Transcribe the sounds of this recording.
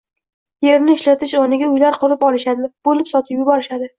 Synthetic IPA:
jeɾnɪɪʃlat̪ʰɪʃɒnɪɡʲaʊjlaɾqʰʊɾɪpɒlˠɪʃad̪ɪb̥olɪpsɒt̪ʰɪpjʊbɒɾɪʃad̪ɪ

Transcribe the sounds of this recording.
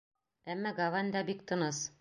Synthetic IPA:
æmːæɡɐvanʲd̪ɑbikt̪ɤ̆nɤs

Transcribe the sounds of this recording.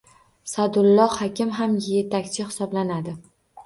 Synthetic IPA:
sad̪ʊlˠːɒhɒkʲɪmɦamje̞t̪ʰakʲt͡ʃʰɪhɪ̥sɒblanad̪ɪ

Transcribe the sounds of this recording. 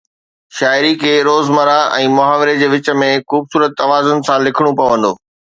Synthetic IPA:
ʃaːɪɾikʰeːɾoːzmɐɾaɛ̃ːmʊɦaːʋɪɾed͡ʑeːʋɪt͡ɕə̆mẽxuːbsuːɾət̪ːɐʋaːzʊnɪ̆sãlɪkʰɪɽ̃ũpɐjoʋə̃n̆d̪oː

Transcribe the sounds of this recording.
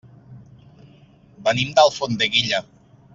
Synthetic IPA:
bənimd̪alˠfond̪eɣiʎa

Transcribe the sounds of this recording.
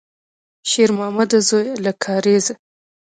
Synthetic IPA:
ʃeɾmɑːmad̪azojlakʰɑɾeza

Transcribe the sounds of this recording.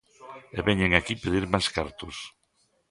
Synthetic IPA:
eβɛɲeŋakipeðiɾmajskaɾt̪ʊs

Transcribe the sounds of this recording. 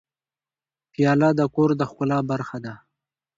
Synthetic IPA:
pijɑlɑd̪əkoɾd̪əxkʊlɑbaɾxad̪a

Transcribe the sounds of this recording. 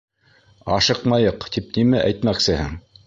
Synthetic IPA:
ɑʃɤqmɑjɤqt̪ipnimæʔæjt̪mæksɘhɘŋ

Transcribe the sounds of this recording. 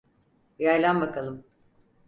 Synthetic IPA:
jajlʲˠambakʰalˠɯm

